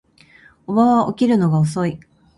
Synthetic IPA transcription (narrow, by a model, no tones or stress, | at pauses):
obaβaʔokʲiɾɯ̟no̞ɡaos̬o̞i